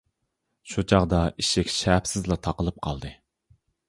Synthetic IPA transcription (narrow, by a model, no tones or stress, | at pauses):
ʃut͡ʃʰɑʁd̪ɑiʃɪkʲʃæpsɪzlˠɑt̪ʰɑqəlˠɨp̚qʰɑlˠd̪ɨ